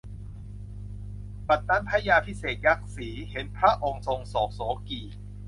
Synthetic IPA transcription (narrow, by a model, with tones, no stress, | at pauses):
pa˨˩t̪ːa˧˥npʰa˦˥jaː˧pʰi˦˥seː˨˩t̪̚ja˦˥k̚siː˩˦he˩˦npʰɾa˦˥ʔo˧ŋso˧ŋsɔː˨˩˦k̚sɔː˨˦kiː˨˩